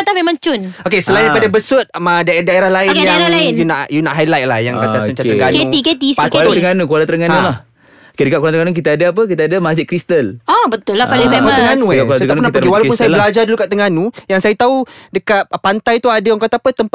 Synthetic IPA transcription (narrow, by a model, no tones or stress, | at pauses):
at̪amemãŋt͡ʃʊnokesəlajɲapadabəsʊt̪̚madadaeɾahlaɪnjaalaɪnjunaʔjunaʔɦajlajt̪̚la̰hjaŋkat̪asunɲt͡ʃat̪əɡankeuiket̪iskaləŋanukualat̪əɾəŋanulah | okedəkat̚kuɾant̪əŋanuk̬it̪aadaap̬ək̬it̪aadamad͡ʒɪt̪̚kɾist̪əlabət̪ʊlːahkalaaat̪əŋɡanũksaənap̪əewalawunsajaəlad͡ʒardulukaʔt̪əŋanũjaŋsajat̪audəkat̪̚pant̪ajt̪uadaaŋkat̪apət̪əmp